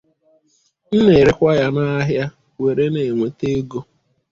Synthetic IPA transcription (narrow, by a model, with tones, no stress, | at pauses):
n̩˦ne˨ɾɪ˦kʷa˦ja˦na˦ɦja˦ | we˨ɾe˦ne˨ŋʷe˨te˦ɡo˦